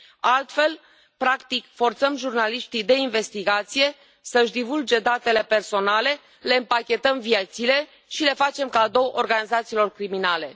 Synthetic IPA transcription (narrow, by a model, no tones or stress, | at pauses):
alt̪fe̞l | pɾakt̪ikfo̞rt̪səmʒurnaliʃt̪id̪e̞inve̞st̪iɡat̪sije̞ | səɨʃd̪ivuld͡ʒe̞d̪at̪e̞le̞pe̞rso̞nale̞ | le̞ɨmpakʲe̞t̪əmvijet̪sile̞ | ʃile̞fat͡ʃe̞mkad̪o̞wʔorɡanizat̪siːlo̞rkɾiminale̞